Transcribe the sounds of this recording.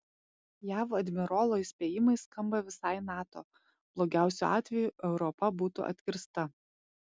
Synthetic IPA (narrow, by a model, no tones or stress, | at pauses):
jæːʋoɐd̪ʲmʲɪɾoːlˠoːɪsʲpʲeːjɪmɐɪskɐmbɐʋʲɪsɑɪnɑːt̪o̰ː | b̥lˠoːɡʲæˑʊsʲuɑ̰ːt̪ʲʋʲɛjuʔɛʊɾɔpɐbuːt̪ṵʔɐ̰t̪ʲkʲɪɾst̪ɐ